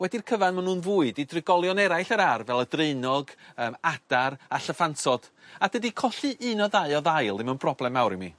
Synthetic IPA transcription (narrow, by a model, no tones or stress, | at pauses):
wɛdirkʰəvanmanuːnvuːɨdidrɪɡɔlˠjɔnɛɾajɬəɾarvɛlˠədreɨnɔɡəːmad̥aɾaɬəfantɔd̥adədikʰɔɬɨʔɨnɔðaɨɔðajlˠɪmənb̥rɔblˠɛmawɾimḭ